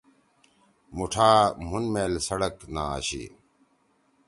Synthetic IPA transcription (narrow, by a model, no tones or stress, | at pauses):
muʈʰaːm̤unmeːlsɐɽəkna̰ːɕḭ